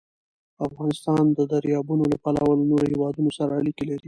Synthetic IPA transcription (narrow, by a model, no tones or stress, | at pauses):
afɣɑnɪst̪ɑnd̪əd̪aɾjɑbunolapalawəlnoɾohewɑd̪unosaɾaːlikelaɾi